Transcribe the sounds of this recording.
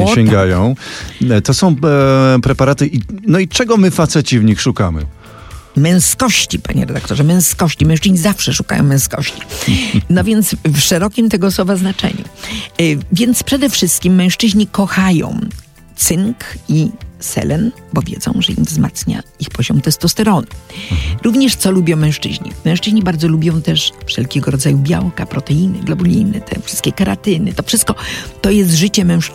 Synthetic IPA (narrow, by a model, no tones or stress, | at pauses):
ɛŋɡajɔ̃w̃t̪ɔsɔ̃w̃pɾɛpaɾat̪ɘʔinɔit͡ʂɛɡɔmɘfat̪sɛt͡ɕivɲixʂukamɘ̰ | mɛ̃w̃skɔɕt͡ɕipa̰ɲɛ̰ɾɛd̪ak̚t̪ɔʐɛmɛ̃w̃skɔɕt͡ɕimɛ̃w̃ʂt͡ʂɘʑɲizafʂɛʂuka̰jɔ̰̃w̃mɛ̃w̃skɔ̰ɕt͡ɕi̥nɔvʲjɛnt̪sfʂɛɾɔkʲimt̪ɛɡɔːswɔvaznat͡ʂɛ̰ɲṵ | vʲjɛnt̪spʂɛd̪ɛfʂɘst̪̚kʲimːɛ̃w̃ʂt͡ʂɘʑɲikɔxajɔ̰̃w̃ | t̪sɘŋkisɛ̰lɛnbɔvʲjɛ̰d̪zɔ̰̃w̃ʐɛḭmvzma̰t̪sɲa̰ixpɔʑɔmt̪ɛst̪ɔst̪ɛɾɔnɨɾuvɲɛʂt̪sɔlubʲjɔ̃w̃mɛ̃ʂt͡ʂɘ̰ʑɲḭmɛ̃w̃ʂt͡ʂɘʑɲibaɾd̪zɔlubʲjɔ̃w̃t̪ɛʂfʂɛlkʲɛɡɔɾɔd̪zajubʲja̰wkapɾɔt̪ɛinɨɡlɔbulʲḭnɨ̰t̪ʰɛ̰fʂɨst̪kʲɛkaɾat̪ɘnɨt̪ɔfʂɨst̪kɔt̪ɔjɛs̬t̪ʐɘt͡ɕɛmɛ̃w̃ʂ